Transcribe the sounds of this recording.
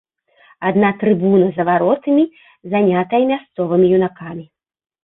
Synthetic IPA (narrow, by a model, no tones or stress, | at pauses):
ad̪nat̪ɾɨbunɐzɐvaɾɔt̪ɨmʲi | zanʲat̪ɐjɐmʲast̪sɔvɨmʲijunakamʲi